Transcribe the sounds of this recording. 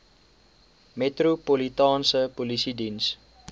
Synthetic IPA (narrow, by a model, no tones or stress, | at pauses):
metrupolitɑːnsəpolisidins